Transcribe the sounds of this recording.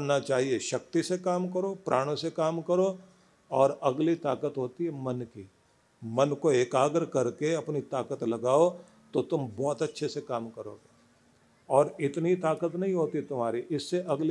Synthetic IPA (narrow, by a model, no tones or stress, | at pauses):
nat͡ʃaːɦieʃɐk̚t̪isekaːmkɐɾoːpɾʔa̰ːɽ̃õsekaːmkɐɾo | ɔːɾɐɡlit̪aːkət̪ɦoːt̪iɦɛmɐnki | mɐnkoeːkaːɡəɾkɐɾkeɐpnit̪aːkət̪lɐɡaːo | t̪ot̪ʊmbɔːt̪ɐtːʃʰesekaːmkɐɾoːɡeː | ɔːɾɪt̪nit̪aːkət̪nɐɦĩɦoːt̪it̪ʊm̤aːɾiʔɪsːeʔɐɡl